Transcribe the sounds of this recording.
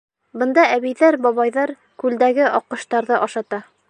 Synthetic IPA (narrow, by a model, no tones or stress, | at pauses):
bɤ̆nd̪ɑæβijðæɾbɒβɑjðɑɾ | kʉld̪æɡɘʔɒqːɤ̆ʃt̪ɑɾðɤʔɒʃɑt̪ɑ